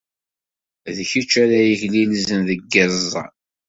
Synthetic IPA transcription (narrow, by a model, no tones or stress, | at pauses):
ðçit͡ʃːæɾæjəçlilzənðəɡːæzzˤːɑ̰